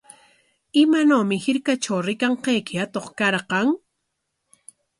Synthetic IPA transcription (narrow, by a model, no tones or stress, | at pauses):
ɪmanoːmɪhɪɾkat͡ʃawɾɪkaɴqejkɪat̪oχkɑɾqɑŋ